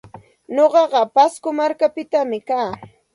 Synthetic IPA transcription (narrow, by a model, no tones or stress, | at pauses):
ɲoɢɑɢɑpaskʊmaɾkapɪt̪amɪkaː